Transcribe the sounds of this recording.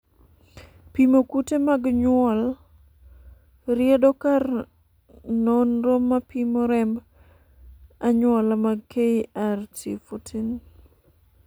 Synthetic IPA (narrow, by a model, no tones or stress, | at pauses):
pimokutemaɡɲwɔl | ɾɪɛdɔkar | nonɾomːapimoɾɛmb | aɲwɔlamaɡkeiartḭfotʰin